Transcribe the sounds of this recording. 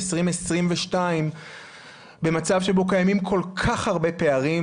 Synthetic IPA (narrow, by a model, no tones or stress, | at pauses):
sʁimesʁimveʃtaim | be̞mat͡savʃebo̞kajamimkʰo̞lkʰaχhaʁbe̞pe̞aʁi